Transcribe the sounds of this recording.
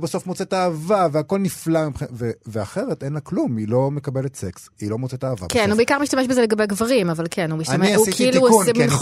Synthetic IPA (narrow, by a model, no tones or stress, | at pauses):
baso̞fmot͡setaːvaveako̞lniflamipχinveveaχeʁetejnlaklumilo̞mekabeletseks | ilo̞mot͡setaːva̰bkennhubeikaʁmiʃtameʃbezeleɡabeɡvaʁimavalkʰenumiʃiuikiiluuemin